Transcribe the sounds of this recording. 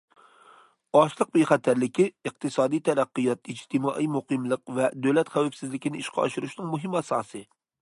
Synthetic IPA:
ɑʃlˠəq̚beχɛt̪ʰæɾlɪkʲiɨqt̪ʰɨsɑːd̪ijt̪ʰɛɾæqːɨjɑt̪id͡ʒt̪ʰɨmɑːʔijmuqɨmlˠəqvɛd̪øwlɛt̪χæwæpsɪzlɪkʲinɪiʃqʰɑɑ̰ʃuɾuʃnɨŋmuɦɨmɑsɑ̰ːsɨ

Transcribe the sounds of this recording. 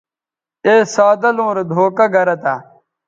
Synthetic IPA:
eːsaːd̪ɐlõːɾd̪ʱoːkɐɡʱɐɾɐt̪a

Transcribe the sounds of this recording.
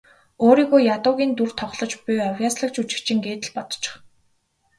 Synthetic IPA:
oːɾiːɣoːjat̪ʊːɣʲiːnt̪urt̪ʰɔχɮɞ̆t͡ɕpʊjɔwʲjaːsɮə̆kt͡ɕut͡ɕɪ̥̆kt͡ɕĭŋɡeːt̪ɘ̆ɮpɔt̪ɞ̥̆t͡ɕɪ̥̆χ

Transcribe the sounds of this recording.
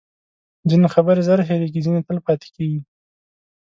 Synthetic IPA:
d͡zinexabəɾezaɾxeɾeɡizinet̪əlpɑt̪e̥keɡi

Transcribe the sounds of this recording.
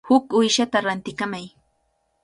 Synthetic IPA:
hʊkʊjʃat̪aɾant̪ɪkamaj

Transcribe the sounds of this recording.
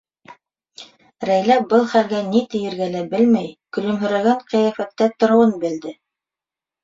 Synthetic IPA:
ɾæjlæp̚bɤlˠχælɡænit̪ɘ̆jɘ̆ɾɡælæbɘlmæjkɵ̆lɵ̆mɦɵ̆ɾæɡæɴqɤ̆jæfæt̪ːæt̪ŏɾŏwɤnbɘ̆ld̪ɘ

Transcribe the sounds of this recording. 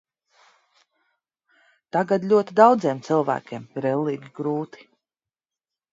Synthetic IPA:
t̪aɡad̪lʎʲuɔt̪id̪awd̪ziɛmt̪silˠvæ̰ːkʲeːmiɾɛlˠːiːɡʲiɡɾuːt̪i̥

